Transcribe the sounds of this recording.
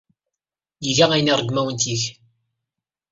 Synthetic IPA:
jiʝææjnirˤəɡmæwənt̪iç

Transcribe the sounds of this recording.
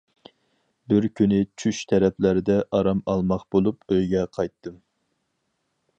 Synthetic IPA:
bɪɾkʲʰynɪt͡ʃʰyʃt̪ʰɛɾɛpʰlæɾɪd̪ɛʔɑɾɑmɑlˠmɑχbolˠupøjɡʲɛqʰɑjt̪ʰːɨm

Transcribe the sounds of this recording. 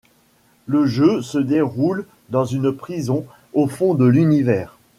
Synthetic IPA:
ləʒøsəd̪eʁul | d̪ɑ̃zynpχizɔ̃ | ofɔ̃d̪əlynivɛːʁ

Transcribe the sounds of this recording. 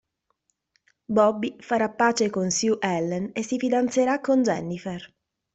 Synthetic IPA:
bɔbːifaɾapːaːt͡ʃekonsjuʔɛlːɛnesːifid̪ant̪seɾakːond͡ʒɛnːifer

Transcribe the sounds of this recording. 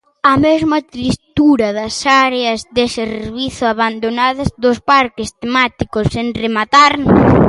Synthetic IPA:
ɐmezmɐt̪ɾist̪uɾɐðɐsaɾeɐzðeseɾβiθʊaβand̪onaðɐzðʊspaɾkɪst̪emat̪ikʊsenremat̪aɾ

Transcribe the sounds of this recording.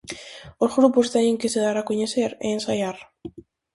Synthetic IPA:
osxɾupost̪ajeŋkeseðaɾakuɲeseɾensajar

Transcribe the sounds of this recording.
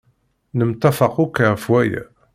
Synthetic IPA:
nəmt̪ːɑfɑqukːafwæj

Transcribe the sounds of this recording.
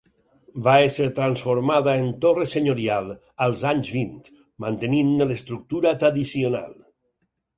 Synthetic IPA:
baeseɾt̪ɾansfoɾmaðaent̪oreseɲoɾialˠ | əlˠzaɲzβint̪ | mant̪eninːlest̪ɾuk̚t̪uɾat̪ɾaðisiona̰lˠ

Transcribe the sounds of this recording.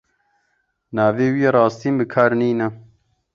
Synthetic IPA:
naːveːwijeɾɑːst̪iːmbɨkʰaːɾniːnɐ

